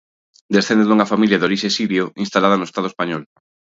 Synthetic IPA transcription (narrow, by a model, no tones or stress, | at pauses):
d̪esθẽnd̪euŋɐfamiljaðoɾiʃesiɾjoinst̪alaðɐnoest̪aðoespaɲɔl